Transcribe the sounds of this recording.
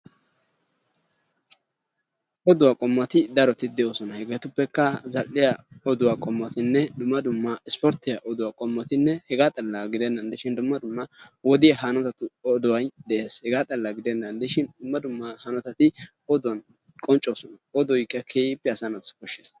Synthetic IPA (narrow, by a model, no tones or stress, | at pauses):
ʔɔd̪ʊwakʼɔmːɐt̪ɪd̪ɐɾɔt̪ɪd̪ɛoːsɔnɐhɛɡeːt̪ʊpːɛkːɐzɐlːɪjaɔd̪ʊwaːkʼɔmːɐt̪ɪnːɛd̪ʊmːɐd̪ʊmːɐɪspɔɾt̪ːɪjɐʔɔd̪ʊwakʼɔmːɔt̪ɪnːɛhɛɡaːt̪ʼɐlːaɡɪd̪ɛnːɐnd̪ɪʃɪnd̪ʊmːɐd̪ʊmːɐwɔd̪ɪjɐɦanɔt̪ɐt̪ʊɔd̪ʊwɐjd̪ɛʔe̞ːshɛɡaːt̪ʼɐlːɐɡɪd̪ɛnːɐnd̪ɪʃɪnd̪ʊmːɐd̪ʊmːahɐnɔt̪ɐt̪ɪ | ɔd̪ʊwɐn | kʼɔnt͡ʃʼːoːsɔnɐɔd̪ɔjkːɐkʰeːjɪpːɛɐsɐnɐskɔʃːeːs